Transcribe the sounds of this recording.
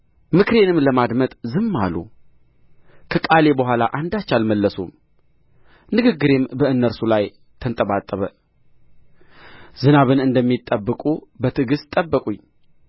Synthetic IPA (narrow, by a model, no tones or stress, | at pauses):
mɨkʰɨɾe̞nɨmləmad̪mət̪ʼzɨmːa̰lṵ | kʰəkʼale̞bəɦʷala̰ʔand̪at͡ʃːalməlːəsṵm | nɨɡɨɡːɨɾe̞mbəɨnːəɾsulaj | t̪ʰənt̪ʼəβat̪ʼːəβə | zɨnaβɨnɨnd̪əmːit̪ʼːəbːɨkʼubət̪ʰɨɡɨst̪ʼəbːəkʼuɲː